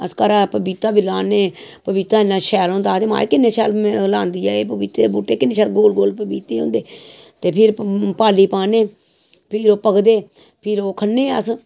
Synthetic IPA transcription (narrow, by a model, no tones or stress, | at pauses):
əskəɾaːpəbiːt̪aːbilaːneːpəbiːt̪aːɪnːãːʃʰɛːlɦõːnd̪aːt̪eːma̰ːeːkɪnːeːt͡ʃʰɛːllãːnd̪iːɛːeːpəbit̪ebuːʈːeːkɪnːeːʃʰɛːlɡoːlɡoːlpəbiːt̪eːɦõ̰ːnd̪eː | t̪eːpʰɪɾpaːliːpaːneː | pʰɪɾoːpəkd̪eː | pʰɪɾoːkʰənːeːəs